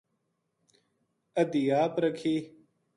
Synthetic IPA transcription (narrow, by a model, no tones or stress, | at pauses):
ɐd̪ijaːpɾɐkʰiː